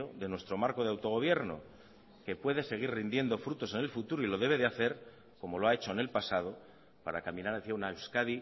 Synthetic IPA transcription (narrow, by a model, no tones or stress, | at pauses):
oðe̞nwe̞st̪ɾo̞maɾko̞ðeawt̪o̞ɣ̞o̞β̞je̞ɾno̞̰ | ke̞pwe̞ðe̞se̞ɣ̞irrind̪je̞nd̪o̞fɾut̪o̞se̞ne̞lfut̪uɾoilo̞ð̞e̞β̞e̞ðeaθe̞ɾ | ko̞mo̞loae̞t͡ʃo̞ne̞lpasað̞o̞ | paɾakamĩnaɾaθjaunaewskaði